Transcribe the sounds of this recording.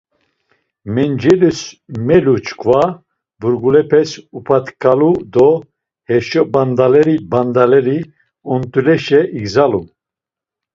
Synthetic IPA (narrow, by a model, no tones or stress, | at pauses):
mɛnd͡ʒɛlusmɛlut͡ʃʰkʰva | buɾɡulɛpʰɛsupʰat̪kʰʼalud̪ɔ | hɛʃɔband̪alɛɾiband̪alɛɾi | ɔnt̪ʼulɛʃɛʔiɡzalu